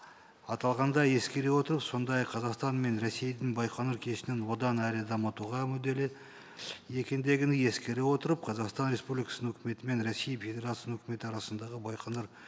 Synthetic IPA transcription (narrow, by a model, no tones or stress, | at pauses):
ɑt̪ɑlˠʁɑnd̪ɑje̞skʲe̞ɾewo̞t̪əɾəpso̞nd̪ɑjɑqʰːɑzɑqst̪ɑnme̞nɾesejd̪ɪŋbɑjqʰɑnuɾkʲʰe̞ʃɪnɪnwo̞d̪ɑnæɾɪd̪ɑmɑt̪uʁɑmɵd̪e̞lɪ | je̞kʲend̪e̞ɡʲɪnɪje̞skʲe̞ɾewo̞t̪əɾəp̚qʰɑzɑqst̪ɑnɾʲe̞spublijkɑ̥sənənɵkʲɪme̞t̪ɪme̞nɾesijfʲe̞d̪ʲe̞ɾat̪sjnɵkʲɪme̞t̪ɪɑɾɑsənd̪ɑʁəbɑjqʰɑnəɾ